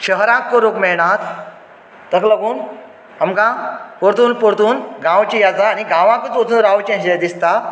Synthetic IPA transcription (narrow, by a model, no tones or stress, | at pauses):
ɕəɦɾãkːoɾokmɛɭɳat̪ː | əkləɡuːn | amkãpoɾt̪uːnpoɾt̪uːnɡãʋt͡ɕijad͡zaːniɡãʋãkət͡sot͡suːnɾaʋt͡ɕĩɕed̪ist̪a